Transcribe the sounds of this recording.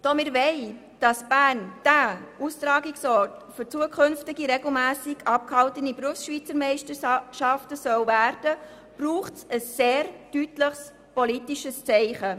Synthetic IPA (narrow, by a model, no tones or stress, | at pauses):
d̥ɔmɪɾʋɛɪ | d̥ɑsb̥æːrnd̥æustɾɑːɡiksɔɾtfʏɾt͡suəkʰʏnftɪɡiɾɛɡl̩mæːsɪɡɑp̚khɑltənibɾuəfsʃʋiːt͡səɾmɛɪʃtəʃɑftəsœwvæːɾd̥ə | b̥ruːχtsəsːeːɾd̥ytləχs | pɔlitiʃəst͡sɛɪχə